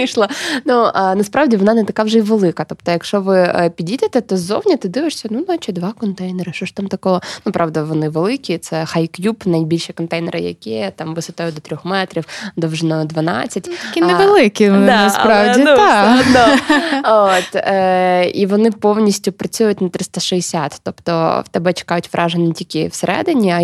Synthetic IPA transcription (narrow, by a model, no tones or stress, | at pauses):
iʃlˠɐnunɐspɾɑʋdʲiʋɔnɑnɛt̪ɐkɑwʐɛiʋelˠɪkɐt̪ɔpt̪ɔjɐkʃɔʋɪpʲidʲidʲɐt̪ɛt̪ɔzownʲɐt̪ɪd̪ɪʋeʂsʲɐnunat͡ʃɪd̪ʋɑkɔnt̪ɛjnɛɾɨʃt͡ʃɔʃt̪amt̪ɐkɔɦɔnupɾʔɑʋd̪ɐʋɔnɪʋelˠɪkʲit̪sɛxajkjupnɐjbʲilʲʃɪkɔnt̪ɛjnɛɾʔɪ̰jɐ̰kʲit̪ɑmʋɨsɐt̪ajʊd̪ɔt̪ɾʲɔxmɛt̪ɾʲiwd̪ɔwʒnɔd̪ʋɐnɑ̰t͡sʲːɐtʲɐkʲinɛʋelˠɪkʲinaɐspɾɑʋʲid̪a | ot̪ | iʋɔnɪpownʲisʲtʲʊpɾɐt͡sʲujʊtʲnɐt̪ɾɪst̪ɐʃɛesʲat̪ːɔpt̪ɔ̰wt̪ɛbɛt͡ʃɪ̥kɑjʊtʲʋɾʔɑʒenʲɪtʲilʲkʲɪwseɾʔɛ̰d̪ɪnʲiɐ